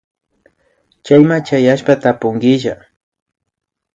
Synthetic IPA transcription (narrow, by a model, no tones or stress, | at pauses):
t͡ʃajmat͡ʃajaʃpat̪apʊŋɡɪʒa